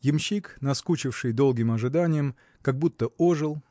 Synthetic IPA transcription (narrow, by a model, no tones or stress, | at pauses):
jɪmɕːiknɐskut͡ɕɪfʂɨjd̪o̞lˠɡʲɪmɐʐɨd̪anʲɪjəm | kɐɡ̚but̪ːəoʐɨlˠ